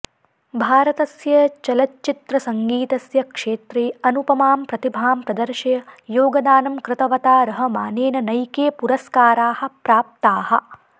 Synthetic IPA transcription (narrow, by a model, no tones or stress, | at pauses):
bʱaːɾɐt̪ɐsjɐt͡ʃɐlɐtːt͡ʃit̪ɾɐsɐŋɡiːt̪ɐsjɐkʂeːt̪ɾeːɐnupɐmaːmpɾɐt̪ibʱaːmpɾɐd̪ɐɾʃɐjɐjoːɡɐd̪aːnɐmkɾɪt̪ɐʋɐt̪aːɾɐɦɐ̆ma̰ːneːnɐnɐjkeːpuɾɐskaːɾaːhɐ̆pɾaːp̚t̪aːhɐ̆